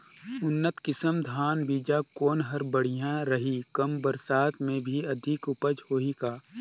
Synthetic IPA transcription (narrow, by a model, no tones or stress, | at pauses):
ʊnːət̪kɪsəmd̪ʱaːnbiːd͡ʒakoːnɦɐɾbəɽ̤ijãɾɐɦikɐmbəɾsaːt̪mẽbʱiɐd̪ʱɪkʊpəd͡ʒhoːikaː